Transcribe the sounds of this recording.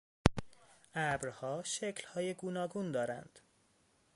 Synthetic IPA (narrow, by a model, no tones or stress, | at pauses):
ʔæbɾhɒːʃeclhɒːjeɡuːnɒːɡund̪ɒːɾæ̰nd̪̥